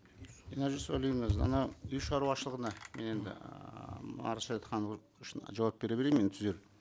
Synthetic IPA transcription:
eneʒisojlˠijŋəzɑ̰nɑʏjʃɑɾuwɑʃəlˠəʁənɑmene̞nd̪ɪ̰ | ɑ̰ɾɑʃɑt̪t̪qʰɑn | ʃnʒɑwɑp̚b̥eɾebeɾement̪ʰʏzeɾ

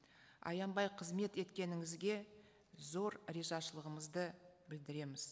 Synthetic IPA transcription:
ɑ̰jɑmbɑjqʰəzme̞t̪e̞t̪kʲe̞nɪŋɪzɡʲe̞ | zo̞ɾɾeʒɑʃəlˠəʁəməzd̪əbɪld̪ɪɾe̞mɪz̥

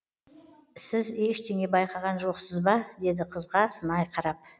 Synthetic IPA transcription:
sɪze̞ʃt̪ʰe̞ŋʲe̞bɑjqɑʁɑnʒo̞qsəzbɑd̪e̞d̪ɪqʰəzʁɑsənɑjqʰɑɾɑp̚

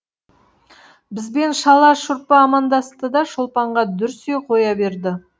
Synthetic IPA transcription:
bɪzbe̞nʃɑlˠɑʃʊɾpəɑmɑnd̪ɑst̪əd̪ɑʃʊlˠpɑɴʁɑd̪ʏɾseqʰo̞jɑbe̞ɾd̪ɪ

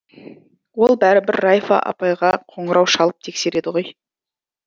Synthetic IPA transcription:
wo̞lˠbæɾɪbɪɾːɑjfɑ̰ʔɑ̰pɑjʁɑqʰo̞ɴəɾɑwʃɑlˠəp̚t̪ʰe̞kse̞ɾe̞d̪ɪʁo̞j

